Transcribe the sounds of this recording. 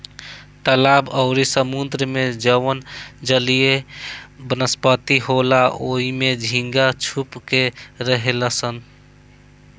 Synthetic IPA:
t̪əlabəʊɾisəmund̪ɾəmed͡ʒəwənd͡ʒəlije | bənəspət̪iɦolaʔoimed͡ʒʱĩŋɡat͡ʃʰupkeɾəɦeləsən

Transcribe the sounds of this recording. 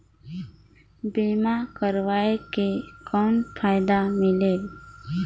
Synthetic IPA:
biːmakəɾʋaːekekɔːnpʰaːjd̪amɪleː

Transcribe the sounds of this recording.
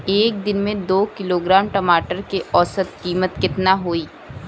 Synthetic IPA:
eːk̚d̪ɪnmẽd̪oːkɪloːɡɾaːmʈɐmaːʈəɾkeʔɔːsət̪kiːmət̪kɪt̪naɦoːiː

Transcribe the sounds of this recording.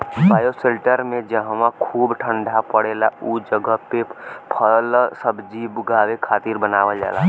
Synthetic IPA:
baːjoselʈəɾmẽd͡ʒəɦwãkʰuːbʈʰəɳɖʱapəɽeːlaud͡ʒəɡəɦpepʰəlsəbd͡ʒibɡaːwekʰaːt̪iɾbənaːʋəld͡ʒa̰ːla

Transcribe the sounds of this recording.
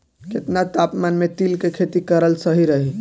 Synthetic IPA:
ket̪nat̪apmanmet̪ilkekʰet̪ikəɾəlsəɦiɾəɦi

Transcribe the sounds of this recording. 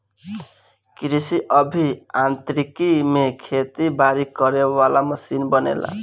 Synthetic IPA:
kɾisiʔʌbʱiant̪ɾikimekʰet̪ibaɾikʌɾewalamʌsinbʌnḛla̰

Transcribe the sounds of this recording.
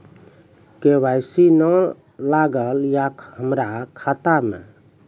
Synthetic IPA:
kewajsinə | laɡəljakhəmɾakʰat̪amḛ

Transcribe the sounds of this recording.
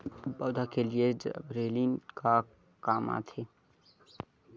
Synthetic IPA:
bɔːd̪ʱakelied͡ʒbɾeːlinka | kaːma̰t̪ʰeː

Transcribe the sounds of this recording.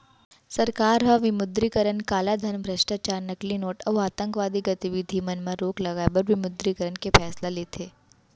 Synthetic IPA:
sɐɾkaːɾɦaʋɪmʊd̪ɾikəɾənkaːlad̪ʱənbʱɾɐʃʈaːt͡ʃaːɾnɐklinoːʈɐʋaːt̪ə̃ŋkʋaːd̪iɡɐt̪iʋɪd̪ʱimɐnmãɾoːklɐɡaːbəɾʋɪmʊd̪ɾikəɾənkepʰɛːslalet̪ʰeː

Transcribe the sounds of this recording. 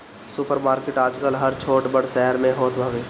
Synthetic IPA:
sʊpəɾmaːɾkeʈaːd͡ʒkəlɦəɾt͡ʃʰoːʈbəɽʃɛɦəɾmẽɦoːt̪bʱəʋeː

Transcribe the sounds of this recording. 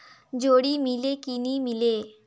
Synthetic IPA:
d͡ʑoɽiːmilekinimile

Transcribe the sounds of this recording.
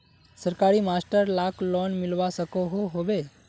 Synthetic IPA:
səɾkaːɾimaːsʈəɾlaːklɔːnmɪlʋasəkoɦoɦoʋe

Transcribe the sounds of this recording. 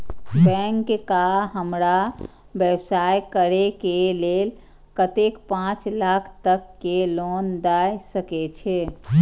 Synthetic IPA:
bɛ̃ŋkkaɦəmɾa | bjəwsajkəɾekelel | kət̪ekpãt͡ʃlakʰt̪əkːelond̪ajsəket͡ʃʰɛ

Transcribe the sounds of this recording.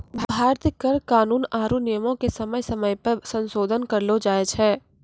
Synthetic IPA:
bbʱaːɾt̪əkɐɾkaːnuːnaːɾunɪjəmõkesɐməjsɐməjpɐɾsɐ̃nsoːd̪ʱənkɐɾlod͡ʒaːet͡ʃʰɦɛː

